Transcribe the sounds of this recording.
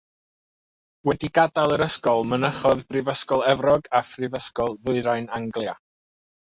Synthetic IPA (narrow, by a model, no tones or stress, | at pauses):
wɛdiɡadalˠəɾəskɔlˠmənəχɔðbrɪvəskɔlˠɛvrɔɡafrɪvəskɔlˠðʊɨɾajnaŋɡlˠja